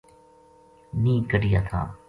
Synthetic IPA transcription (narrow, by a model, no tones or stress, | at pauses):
nĩːkəɖɪjaːt̪ʰa̰ː